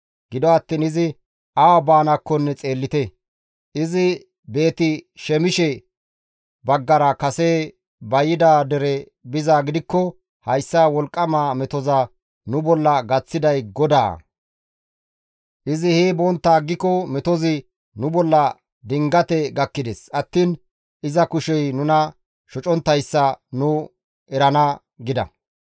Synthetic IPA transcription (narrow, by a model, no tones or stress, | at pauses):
ɡ̥ɪd̪ɔɐt̪ːiːnɪzɪ | ɐwabaːnɐkːɔnːɛt͡sʼe̞ːlːɪt̪ɛ | ʔɪzɪ | be̞ːt̪ɪʃɛmɪʃɛ | bɐɡːɐɾɐkɐseː | bɐjɪd̪aːd̪ɛɾɛ | bɪzaːɡɪd̪ɪkːɔ | hɐjsːawɔlkʼːɐmaːmɛt̪ɔza | nʊbɔlːɐɡɐt͡sːɪd̪ɐjɡɔd̪a̰ː | ʔɪzɪheːbɔnt̪ːaːɡːɪkːɔmɛt̪ɔzɪ | nʊbɔlːɐ | d̪ɪŋɡɐt̪ɛɡɐkːɪd̪ɛsɐt̪ːiːn | ʔɪzɐkʊʃɛjnʊnɐ | ʃɔt͡ʃʼɔnt̪ːɐjsːɐnʊ | ɛɾɐnɐ | ɡɪd̪ɐ̰